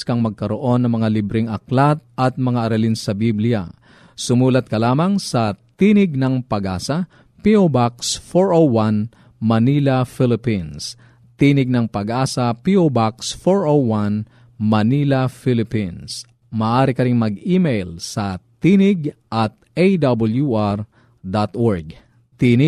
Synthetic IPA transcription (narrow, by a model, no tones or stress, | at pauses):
kɐŋmɐɡ̚kɐɾoʔo̞nːɐŋmɐŋalɪbɾɪŋɐklat̪̚ɐt̪̚mɐŋaʔɐɾɐlinsɐbiblɪja̰ | sʊmuːlɐt̪̚kɐlaːmɐŋsɐt̪iːnɪɡ̚nɐŋpɐɡʔaːsɐ | piʔobaksfoɹʔowan | mɐniːlɐfɪlɪpins | t̪iːnɪɡ̚nɐŋpɐɡʔaːsɐpiʔobaksfoɹowːan | mɐniːlɐfɪlɪpins | mɐːʔaːɾɪkɐɾɪŋmɐɡiːmejlsɐt̪iːnɪɡʔɐt̪̚ʔejd̪ɐbɐljuʔaɾ | d̪at̪ʔoɹɡ | t̪inɪ